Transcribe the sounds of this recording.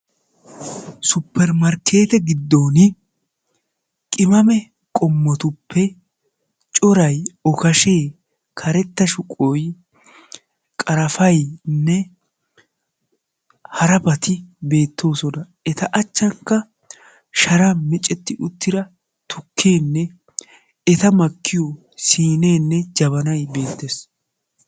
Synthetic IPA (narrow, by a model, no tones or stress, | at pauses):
sʊpːɛɾmɐɾkʰe̞ːt̪ɛɡɪd̪ːo̞ːnɪ | kʼɪmɐmɛ | kʼɔmːɔt̪ʊpːɛ | t͡ʃʼɔɾɐjɔkɐʃe̞ː | kʰɐɾɛt̪ːɐʃʊkʼoj | kʼɐɾɐfɐjnːɛ | hɐɾɐbɐt̪ɪbe̞ːt̪ʰːo̞ːsɔnɐ | ɛt̪ɐʔɐt͡ʃːɐŋkːɐ | ʃɐɾɐmɪt͡ʃʼɛt̪ːɪʔʊt̪ːɪɾɐ | t̪ʰʊkʰːeːnːɛ | ɛt̪ɐmɐkːɪjɔ | siːneːnːɛd͡ʒɐβɐnɐjbe̞ːt̪ːeːs